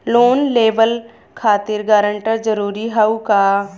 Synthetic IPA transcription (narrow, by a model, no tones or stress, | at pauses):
loːnleːʋəl | kʰaːt̪ɪɾɡaːɾə̃ɳʈəɾd͡ʒəɾuːɾiɦaukaː